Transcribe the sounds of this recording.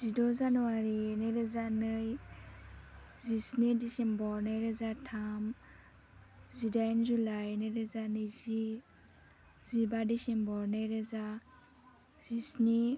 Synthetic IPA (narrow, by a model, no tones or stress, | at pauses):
zidɔzanɔwaɾinɯɾɯzanɯj | zisnidisembɔɾnɯjɾɯzatʰam | zidajnzulajnɯɾɯzanɯjzi | zibadisembɔɾnɯjɾɯza | z̥isni